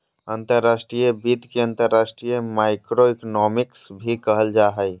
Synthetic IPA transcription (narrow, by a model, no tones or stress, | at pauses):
ənt̪əɾːasʈɾijəbit̪keənt̪əɾːasʈɾijəmaɪkɾoiknɔmiksbʱikəɦəld͡ʒaɦəj